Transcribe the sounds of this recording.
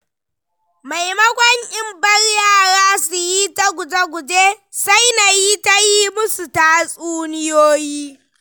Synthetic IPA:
ma˨jmɐ˦kʷɐ˦ɲʔɪ˦mbɐ˦rjaː˦˨ɽaː˦su˨ji˦ta˦ɡʷʊ˨d͡ʒa˦ɡʷʊ˨d͡ʒe˦sa˦jna˨ji˦ta˦ji˦mʊ˦su˨ta˦sʼuː˦nɪ˦joː˦jiː˦

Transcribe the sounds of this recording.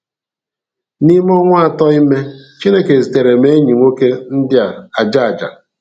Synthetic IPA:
ni˦m˦ɔ˦ŋʷa˦a˨tɔ˦i˦me˦t͡ʃi˦ne˦ke˨zi˨te˨ɾe˨me˦ɲi˨ŋʷo˦ke˦n̩˦dɪ˦a˨a˨d͡ʒa˦a˨d͡ʒa̰˨

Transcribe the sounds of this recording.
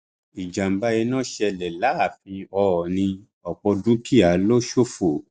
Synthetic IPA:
i˨d͡ʒa˨m̩˨ba˧e˧nã˦˨ʃɛ˧˨lɛ˨la˨˦a˦˨fĩ˧ɔ˧˨nĩ˧ | ɔ˨k͡pɔ˧dũ˦kʰi˦a˨˦lo˦ʃo˦fo˨

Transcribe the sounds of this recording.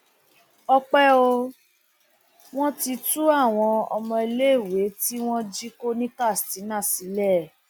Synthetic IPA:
ɔ˧k͡pɛ˦o˧ | w̃ɔ̃˦ti˧tu˦a˦˨w̃ɔ̃˧ɔ˧mɔ̃˧i˧le˦i˦˨we˨˦ti˦w̃ɔ̃˦d͡ʒi˦ko˦nĩ˦ka˦˨sti˨˦nã˦˨si˨˦lɛ˦˨

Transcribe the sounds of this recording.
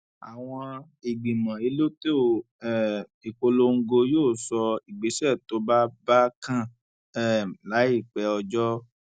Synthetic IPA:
a˨w̃ɔ̃˧ | i˨ɡ͡bi˨mã˨i˧lo˦te˦o˨ | ɛ˦˨ | i˨k͡po˧lo˧ŋ̩˦ɡo˧joː˦˨sɔ˧i˨ɡ͡be˨˦sɛ˦˨to˨˦ba˦ba˦kã˦˨ | ɛ˦˨la˨˦i˦˨k͡pɛ˧˦ɔ˧d͡ʒɔ˦

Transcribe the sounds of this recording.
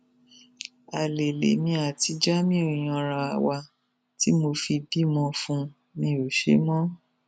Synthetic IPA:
a˨le˨lḛ˨mĩ˧a˨ti˧d͡ʒa˦mĩ˦o˨j̃ɔ̃˧˨ɾã˧˨a˨wa˧ | ti˦mo˧fi˧bi˦mɔ̃˧fũ˧ | nĩ˧o˨ʃḛ˨˦mɔ̃˦

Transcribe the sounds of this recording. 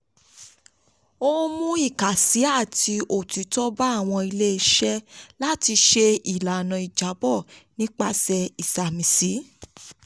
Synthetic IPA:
o˦m̃ũ˦i˦˨ka˨si˨˦a˦˨tʰi˧o˨ti˨˦tɔ˦ba˦˨w̃ɔ̃˧i˧le˦i˧˦ʃɛ˦la˦ti˧ʃe˧i˨la˨nã˨i˨d͡ʒa˨˦bɔ˦˨nĩ˦k͡pa˧˦sɛ˧i˨sa˨mĩ˨si˨˦

